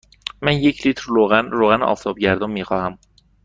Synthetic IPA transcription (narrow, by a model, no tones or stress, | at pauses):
mænjecʰliːt̪ʰɾːoɣænɾoɣænɒ̰ːft̪ʰɒːbɟæɾd̪onmiːxɒːhæm